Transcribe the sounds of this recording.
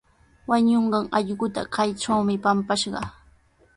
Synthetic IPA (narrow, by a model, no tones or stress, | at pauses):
waɲoɴɢɑŋɑʎɢʊt̪a̰kajʈ͡ʂawmɪpampaʃɢɑ̰